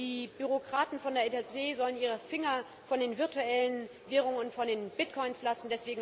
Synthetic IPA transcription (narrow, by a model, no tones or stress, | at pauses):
iːbyʁokʁ̥aːtn̩fɔndeɐʔeɛsveːzɔləniːʁ̞əfɪŋɐ | fɔndeːnvɪɐtuɛlənveːʁʊŋənʊntfɔndeːnbɪtkʰɔʏnslasn̩dɛsv̥eːɡŋ̩